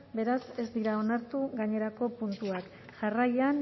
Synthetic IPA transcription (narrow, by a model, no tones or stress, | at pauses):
be̞ɾase̞zd̪iɾao̞naɾt̪uɣaɲe̞ɾako̞punt̪uak | ʝarajan